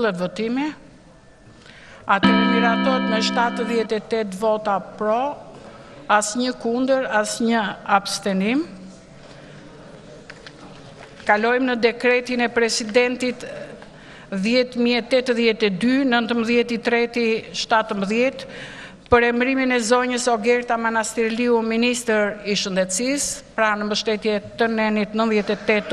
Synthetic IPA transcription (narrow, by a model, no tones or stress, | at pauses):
lˠɛt̪vɔt̪imɛ | at̪ɛmiɾat̪ɔɛt̪mɛʃt̪at̪ðjɛt̪ɛt̪ɛt̪vɔt̪apɾɔ | asɲəkund̪əɾasɲəabst̪ɛnim | kalɔjmnəd̪ɛkɾɛt̪inɛpɾɛsid̪ɛnt̪it̪ | ðjɛt̪miɛt̪ɛt̪ðjɛt̪ɛd̪ynənt̪əmbəðjɛt̪it̪ɾɛt̪iʃt̪at̪əmbəðjɛt̪ | pəɾɛmɾiminɛzɔɲəsɔɡɛɾt̪amanast̪ɛɾliuminist̪əɾiʃənd̪ɛt̪sispɾanəmbəʃt̪ɛt̪jɛt̪ənɛnit̪nə̃nðjɛt̪ɛt̪ɛt̪